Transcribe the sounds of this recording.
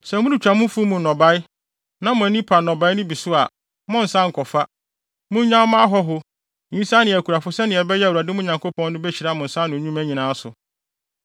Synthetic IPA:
sɛ˨mʊ̃˦di˨t͡ɕᶣa˨mʊ̃˦fu˦mũ˨nɔ̃˨ba˦ɪ˦ | nã˦mʊ̃˨˦nĩ˦pʰa˨nɔ̃˨ba˦ɪ˦nʊ̃˦bi˨sʊ˦a̰˨ | mɔ̃˦n̩˨sã˦ŋ̩˨kʰɔ˨fa˦ | mʊ̃˦ɲã˦mã˦ɦɔ˦ɦʊ˦ | ĩ˨˦sa˦nɪ̃˨ɛ˨kʰu˨ɾa˨fʊ˦sɛ˦nɪ̃˨ɛ˨bɛ˦jɛ˦˨wu˨ɾa˨dɪ˦mʊ̃˦ɲã˨ŋkʰo˦pʰɔ̃˦n˦nʊ̃˦bɛ˦t͡ɕʰi˨ɾa˦˨mʊ̃˨n̩˨sã˦nʊ̃˨ɲũ˦mæ˦ɲĩ˨nã˨˦a˦sʊ̰˨

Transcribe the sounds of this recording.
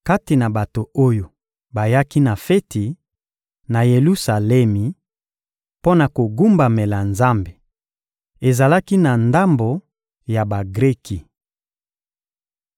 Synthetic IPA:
ka˦ti˨na˨ba˨to˨o˦jo˨ | ba˨ja˦ki˦na˨fe˦ti˨ | na˨je˨lu˦sa˨lɛ˦mi˨ | po˦na˨ko˨ɡu˦mba˨me˨la˨nza˦mbe˨ | e˨za˨la˦ki˦na˨nda˦mbo˨ | ja˨ba˨ɡʁe˦kʰi˨

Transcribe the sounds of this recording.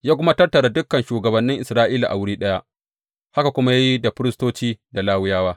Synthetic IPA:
jaː˦kʷʊ˦ma˦tɐ˦rtɐ˨ɽa˨dʊ˦kːɐ˨nʃuː˨ɡɐ˨bɐ˨nːɪ˦ŋʔɪ˨sɾaː˦ʔiː˦la̰˨ʔa̰˨wɪ˦ɽiː˦ɗɐ˦ja˦ʔ | ha˦ka˨kʷʊ˦ma˦ja˦ji˦da˨ɸɪ˦ɾɪ˦stoː˦t͡ʃiː˦da˨laː˦wɪ˦jaː˦waː˦

